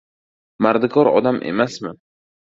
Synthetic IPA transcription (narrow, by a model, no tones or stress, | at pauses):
maɾd̪ɪkʰɒɾɒ̰d̪amʔe̞̰masmɪ